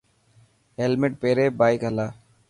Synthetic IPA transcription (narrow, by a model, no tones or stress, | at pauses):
ɦelmɪʈ̚peːɾeːbaːikɦəlaː